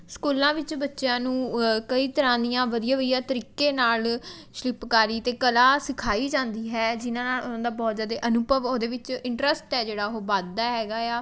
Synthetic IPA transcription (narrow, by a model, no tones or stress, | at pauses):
skuːlãːʋɪt͡ʃbətːʃjãːnũːkəiːt̪əɾãːd̪ijãːʋəd̪ijaːʋəd̪ijaːt̪əɾiːkeːnaːl | ʃlɪpkaːɾiːt̪eːkəlaːsɪkʰaːiːd͡ʒãːnd̪iːɦɛːd͡ʒɪnãːnaːlʊnãːd̪aːbɔːd͡ʒaːd̪eːʔənʊbəʋoːd̪eːʋɪt͡ʃɪɳʈɾəsʈɦɛːd͡ʒeːɽaːɦoːbaːd̪ːaːɦɛːɡaːjaː